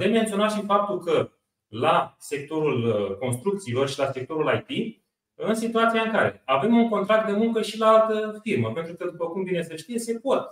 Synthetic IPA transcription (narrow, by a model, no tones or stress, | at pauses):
d̪emmːent̪sio̞naʃifap̚t̪ulkə | lase̞k̚t̪o̞ɾulko̞nst̪ɾuk̚t̪siːlo̞rʃilase̞k̚t̪o̞ɾulajt̪i | ɨnsit̪uat̪siaɨŋkaɾe̞ave̞muŋko̞nt̪ɾak̚t̪d̪e̞muŋkəʃilaalt̪əfirməpe̞nt̪ɾukəd̪upəkumvine̞səʃt̪ije̞se̞po̞t̪̚